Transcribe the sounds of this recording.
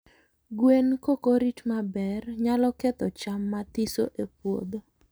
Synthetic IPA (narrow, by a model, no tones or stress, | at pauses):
ɡwenkokoɾitmabɛrɲalɔkɛt̪ɔt͡ʃamːat̪isoʔepwo̰d̪o